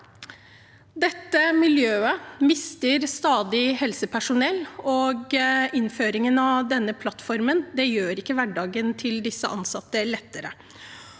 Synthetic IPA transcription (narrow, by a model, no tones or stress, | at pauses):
d̪ɛt̪ːəmɪljøːəmɪst̪əɾst̪ɑːd̪ɪhɛlsəpʰæʂʊnɛlːɔɡɪnføːɾɪŋənɑd̪ɛnːəpʰlɑt̪fɔɾmənd̪ɛjøːɾɪkːəʋæɖɑːɡənt̪ʰɪld̪ɪsːəʔɑnsɑt̪ːəlɛt̪ːəɾə̰